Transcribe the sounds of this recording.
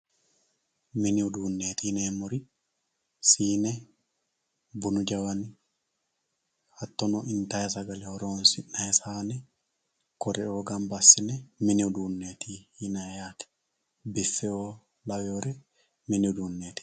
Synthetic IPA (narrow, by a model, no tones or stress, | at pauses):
miniuduːnːet̪inamuɾi | siːnɛ | bunud͡ʒawani | hat̪ːɔnɔʔint̪ajasaɡalɛhɔɾɔnsinaɛsaːnɛ | kɔɾɛɔɡambasːinɛminiwduːnːeːt̪ʰihinajakɛ̥ | bɛfːɛɔ | lawɔɾɛ | miniwduːnːeːt̪i̥